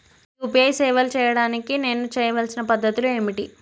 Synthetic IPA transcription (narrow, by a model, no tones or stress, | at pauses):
tupjɐjsɛːʋɐlt͡ʃɛːjɐɽaːnikine̞ːnːut͡ʃɛːjɐʋɐlsinɐpɐd̪ʱːɐt̪ulue̞ːmiʈi